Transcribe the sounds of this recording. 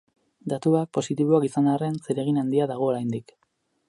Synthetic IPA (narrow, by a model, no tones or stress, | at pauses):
d̪at̪uak̚po̞sit̪iβoakisanarenseɾe̞ɣ̞inand̪iaðaɣ̞o̞ːɾajnd̪ik